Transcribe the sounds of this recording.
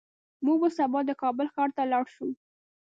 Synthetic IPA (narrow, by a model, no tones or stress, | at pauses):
muɡbasabɑd̪əkɑbəlxɑɾt̪alɑɽʃu